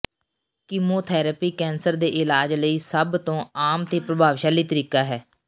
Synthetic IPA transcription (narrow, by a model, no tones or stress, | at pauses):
kɪmoːt̪ʰɛːɾəpiːkɛːnsəɾd̪eːʔɪlaːd͡ʒləiːsəbt̪õːaːmt̪eːpɾəbʱaːʋʃaːliːt̪əɾiːkaːɦɛː